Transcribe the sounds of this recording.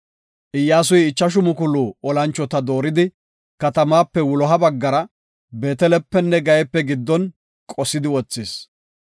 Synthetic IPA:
ʔɪjːaːs̬ʊjɪt͡ʃːɐʃ̬ʊmʊkʊluːɔlɐnt͡ʃːɔt̪ɐd̪o̞ːɾɪd̪ɪ | kɐt̪ɐmaːpːɛwʊlɔɦɐbɐɡːɐɾɐ | be̞ːt̪ɛlɛpːɛnːɛɡɐjɛpːɛɡɪd̪ːɔn | kʼɔsːɪd̪ɪwɔt͡sːis

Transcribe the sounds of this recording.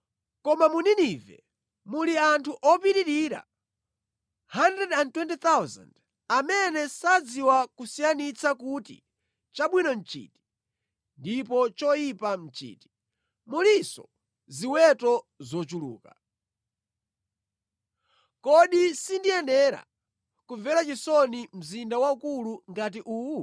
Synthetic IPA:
kɔmamuninivɛ | muliantʰuʔɔpiɾiɾiɾa̰ | handɾɛdandtwɛntit̪awza̰nd | amɛnɛsad͡ziwakusijanit͡sakutḭ | t͡ʃaɓwinɔn̩t͡ʃḭːti̥ | ndipɔt͡ʃɔjipam̩t͡ʃḭːti̥ | mulisɔ̰ | ziwɛtɔ | zɔt͡ʃulṵːka | kɔɗisindiɛnɛɾa̰ | kuvɛɾat͡ʃisɔnim̩zindawaukuluŋɡat̬iʔuː

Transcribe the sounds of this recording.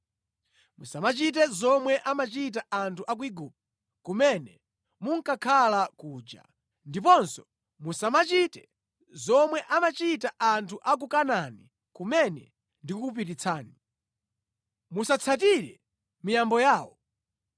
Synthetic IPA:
musamat͡ʃit̬ɛzɔmwɛʔamat͡ʃit̬aʔantʰuʔak̬wiɡuːp̚a | kumɛnɛ | muŋ̩kakʰalakuːd͡ʒa̰ | ndipɔnsɔ | musamat͡ʃitɛ | zɔmwɛʔamat͡ʃitaʔantʰuʔak̬ukanani | kumɛnɛ | ndikup̬iɾit͡sʰaːni | musat͡sʰat̬iɾɛ̰ | mijambɔjaːwɔ

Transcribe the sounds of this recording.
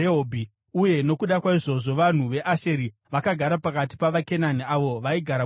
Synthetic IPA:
eobʱi | uje̞no̞kuɗakwaiʐo̞ʐo̞ʋan̤uʋe̞ʔaʃe̞ɾi | ʋakaɡʱaɾapakati̥paʋake̞naniaʋo̞ʋaiɡʱaɾa

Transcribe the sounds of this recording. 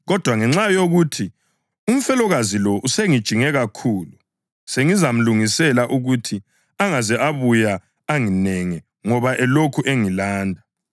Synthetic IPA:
ɣɔd̥ʱwaŋɛŋ͡ǁajoɣuːtʰi | um̩fɛlɔɣazilɔʔuseŋid̥ʒ̥ʱiŋɛɣakʰuːlu | seŋizam̩luŋisɛlaʔuɣutʰi | aŋazɛʔaβuja | aŋinɛŋi | ŋɔβaʔɛlokʰuʔeŋilaːndʱa

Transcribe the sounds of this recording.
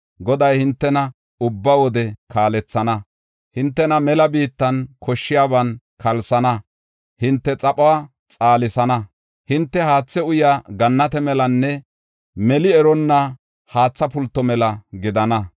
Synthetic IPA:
ɡɔd̪ɐjhɪnt̪ːɛnɐ | ʊbːɐwɔd̪ɛkʰaːlɛt͡sːɐnɐ | hɪnt̪ːɛnɐmɛlɐbiːt̪ːɐnkʰɔʃːɪjaːbɐn | kʰɐlsɐnɐ | hɪnt̪ːɛt͡sʼɐpʼowaː | t͡sʼaːlɪsɐnɐ | hɪnt̪ːɛhaːt͡sːɛʊjaːɡɐnːɐt̪ɛmɛlɐnːɛ | mɛlɪɛɾɔnːa | haːt͡sːɐpʊlt̪ːɔmɛlɐɡɪd̪ɐnɐ

